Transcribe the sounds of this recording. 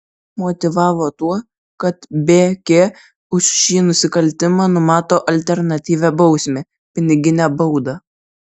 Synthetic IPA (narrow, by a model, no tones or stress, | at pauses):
mɔt̪ʲɪʋɑːʋoːt̪uɔ | kɐt̪bʲeːkʲeː | ʊʃʲʃʲiːnʊsʲɪkɐlʲt̪ʲɪmɑːnʊmɑːt̪oːʔɐlʲt̪ʲɛɾnɐt̪ʲiːʋʲæːbɐʊsʲmʲe | pʲɪnʲɪɡʲɪnʲæbɐʊd̪ɑ